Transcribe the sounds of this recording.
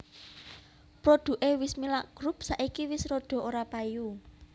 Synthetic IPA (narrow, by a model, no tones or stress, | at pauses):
pɾoɖ̪̥ṳʔewɪsmilaʔɡ̥ɾup̚saʔikiwɪsɾoɖ̪̥ɔ̤oɾapaju